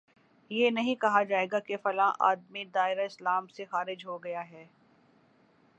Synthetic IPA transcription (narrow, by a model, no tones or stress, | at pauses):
jeːnɐɦĩkɐɦad͡ʒaːeːɡakefɐlãːʔa̰ːd̪mid̪aːɪɾaɪslaːmsexaːɾɪd͡ʒɦoɡɐjaɦɛː